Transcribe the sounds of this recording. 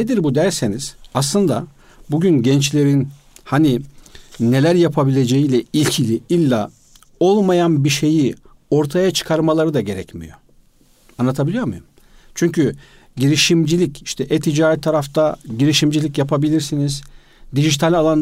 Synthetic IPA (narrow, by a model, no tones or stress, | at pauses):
ned̪iɾbud̪æɾseniz̥aslˠɯnd̪a | buɟynɟɛnt͡ʃlʲe̞ɾin | hani | ne̞lʲæɾjapʰabilʲe̞d͡ʒejilʲɛilʲcʰilʲiilʲːa | o̞lˠmajanbiʃe̞ji | o̞ɾt̪ʰajat͡ʃʰɯ̥kʰaɾmalˠaɾɯd̪aɟe̞ɾɛcmḭjo̞̰ | anːˠat̪ʰabilʲijoɾmujum | t͡ʃʰyɲcʰy | ɟiɾiʃimd͡ʒilʲiciʃt̪ʰɛʔɛt̪ʰid͡ʒaːɾit̪ʰːaɾaft̪ʰaɟiɾiʃimd͡ʒilʲicjapʰabilʲiɾsiniz̥ | d̪iʒit̪ʰalʲalˠan